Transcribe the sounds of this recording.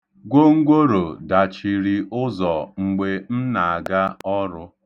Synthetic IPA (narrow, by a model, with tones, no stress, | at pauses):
ɡʷo˦ŋ̩˦ɡʷo˦ɾo˨da˨t͡ʃi˨ɾi˨ʔʊ˦zɔ˨ŋ͡m̩˨ɡ͡be˨m̩˦na˨a˨ɡa˦ɔ˦ɾʊ˦